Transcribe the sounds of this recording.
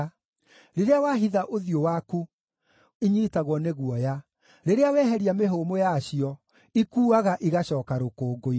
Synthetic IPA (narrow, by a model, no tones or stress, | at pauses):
ɾeɾeawaːɦiðaʔoðijowaku | iɲiitaɣwɔneɣwɔja | ɾeɾeawɛɦɛɾiameɦomojaːɕiɔ | ikuːaɣaʔiɣaɕɔːkaɾokoːɡoi